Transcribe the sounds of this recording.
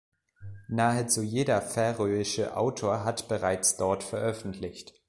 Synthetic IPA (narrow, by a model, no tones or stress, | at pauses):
naːət͡sujeːdɐfɛʁøːɪʃəʔa̰ʊtʰoːɐɦatb̥əʁaɪt͡sd̥ɔɐtfɛɐʔœfn̩tʰlɪçt